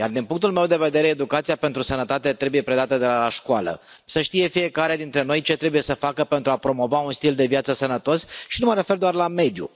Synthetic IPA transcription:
jard̪inpuŋk̚t̪ulmewd̪e̞ve̞d̪e̞ɾe̞ːd̪ukat̪sijape̞nt̪ɾusənət̪at̪e̞t̪ɾe̞buje̞pɾe̞d̪at̪əd̪e̞laaʃkwalə̰ | səʃt̪ije̞fije̞kaɾed̪int̪ɾe̞no̞jt͡ʃe̞t̪ɾe̞buje̞səfakəpe̞nt̪ɾuapɾo̞mo̞vaunst̪ild̪e̞vijat̪səsənət̪o̞sʃinuməɾe̞fe̞rd̪oarlame̞d̪jṵ

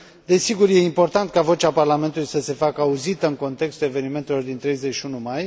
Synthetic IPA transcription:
d̪e̞siɡuɾjeimpo̞rt̪ant̪kavo̞t͡ʃaparlame̞nt̪ulujsəse̞fakəauzit̪əɨnŋko̞nt̪e̞kst̪ule̞ve̞niment̪e̞lo̞rd̪int̪ɾe̞jze̞t͡ʃunumaj

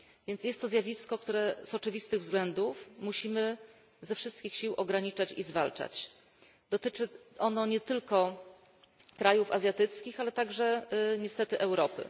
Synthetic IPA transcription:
vʲjɛnt̪sjɛst̪ːɔzʲjavʲiskɔk̚t̪uɾɛz̥ɔt͡ʂɘvʲist̪ɘɣvzɡlɛnd̪ufmuɕimɘ | zɛfʂɘst̪̚kʲixɕiwʔɔɡɾaɲit͡ʂat͡ɕizvalt͡ʂa̰t͡ɕ | d̪ɔt̪ɘt͡ʂɘʔɔnɔɲɛt̪ɘlkɔ | kɾajufazʲjat̪ɘt̪skʲixalɛt̪aɡʐɛɲɛst̪ɛt̪ɘʔɛwɾɔpɘ̰

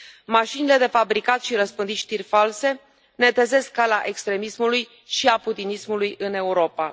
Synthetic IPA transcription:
maʃinile̞d̪e̞fabɾikat̪ʃiɾəspɨnd̪it̪ʃt̪irʲfalse̞ | ne̞t̪eze̞skːalaʔe̞kst̪ɾe̞mismuluj | ʃiaput̪inismulujɨne̞uɾo̞pa

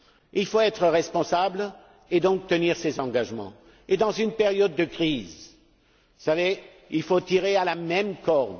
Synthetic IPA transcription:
ilfoɛt̪χəʁɛspɔ̃sabl | ed̪ɔ̃k̚t̪əniʁsezɑ̃ɡaʒmɑ̰̃ | ed̪ɑ̃zynpeʁjɔd̪̚ːəkχiz | vusave | ilfot̪iʁealamɛmkɔʁm

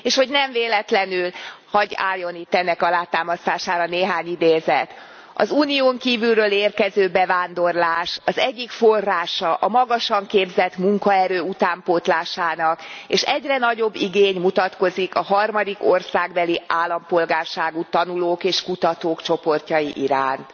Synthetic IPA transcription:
eːʃho̞ɟnɛɱveːlɛt̪lɛnylhɒɟa̰ːlːo̞nit̪ːɛnːɛkɒlaːt̪aːmɒst̪aːʃaːɾɒneːɦaːɲid̪eːzɛt̪ | ɒ̰zuːnioːŋkiːvylrøːleːrkɛzøːbɛvaːnd̪o̞rlaːʃɒzɛɟːikforːaːʃɒʔɒmɒɡɒʃɒŋkeːbzɛt̪muŋkɒɛɾøːut̪aːmpot̪laːʃaːnɒkeːʃɛɟrɛnɒɟo̞bːiɡeːɲmut̪ɒt̪ko̞zikɒɦɒrmɒd̪iko̞rsaːɡbɛliʔaːlːɒmpo̞lɡaːrʃaːɡut̪ɒnuloːkeːʃkut̪ɒt̪oːkt͡ʃo̞po̞rcɒjiʔiɾaːnt̪

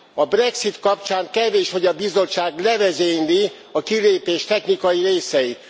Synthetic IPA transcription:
ɒbrɛksit̪kɒpt͡ʃaːŋkɛveːʃho̞ɟɒbizo̞t͡ʃt͡ʃːaːɡlɛvɛzeːɲli | ɒkileːpeːʃt̪ɛxnikɒjiɾeːsɛjit̪

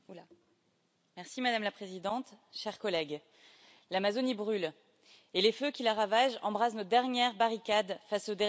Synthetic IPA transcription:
a | mɛʁsimad̪amlapχezid̪ɑ̃t̪ʃɛʁkɔlɛɡ | lamazonibʁyl | eleføkʲilaʁavaʒɑ̰̃bʁasnɔd̪ɛʁnjɛʁbaʁikad̪fasod̪e

